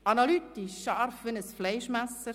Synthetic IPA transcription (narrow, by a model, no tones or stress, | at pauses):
ɑnalyt̪iʃːɑɾfʋɪnəsflɛɪʃmæsəɾ